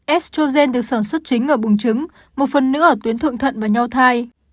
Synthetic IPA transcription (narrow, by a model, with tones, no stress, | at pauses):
ʔɛ˦˥st͡ɕo˧zɛ˧nɗɨ˨˩ək̚saː˧˩nswə˦˥t̚t͡ɕï˨˦ŋ̟ʔəː˧˩ɓʊ˨˩ŋt͡ɕɨ˨˦ŋ | mo˨˩t̚fə˨˩nːɨ̰˧˥ʔəː˧˩t̪wi˨˦ənt̪ʰɨ̰˧˨ŋt̪ʰə̰˧˨nvaː˨˩ɲa˧wt̪ʰaː˧j